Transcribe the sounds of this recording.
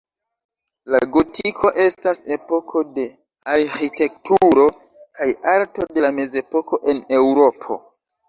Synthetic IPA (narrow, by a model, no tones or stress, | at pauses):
laɡo̞tʰikʰo̞ʔe̞stase̞po̞kʰo̞de̞ | aɾxite̞k̚tuɾo̞ | kajaɾto̞de̞lame̞ze̞po̞ko̞ʔe̞ne̞wɾo̞pʰo̞̰